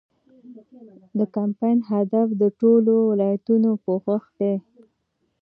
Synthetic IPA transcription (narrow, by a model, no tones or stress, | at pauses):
d̪əkampɑjnɦad̪afd̪əʈolowɪlɑjat̪unopəɣəxd̪e